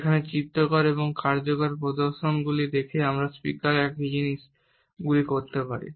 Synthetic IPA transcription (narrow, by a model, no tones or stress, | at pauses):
ekʰanet͡ɕit̪ːokɔɾeboŋkaɾd͡ʑokaɾpɾod̪oɾʃonɡulid̪ekʰeamɾaspikaɾɛkd͡ʑiniʃ | ɡulikoɾt̪epaɾḭ